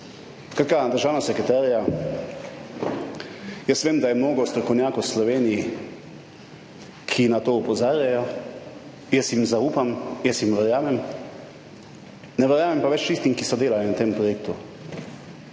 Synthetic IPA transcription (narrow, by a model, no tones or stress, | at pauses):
kat̪kad̪əɾʒaːwnasɛkɾɛt̪aːɾja | jəsʋeːmd̪ajɛmnoːɡɔst̪ɾɔkɔwnʲjaːkowslɔʋeːniji | kʰinat̪oːupɔzaːɾjajɔ | jɛsjimzauːpamjəsjimʋɛɾjaːmɛm | nɛʋɛɾjaːmɛmpaʋɛt͡ʃt̪ist̪imkisɔd̪eːlalinat̪empɾɔjek̚t̪u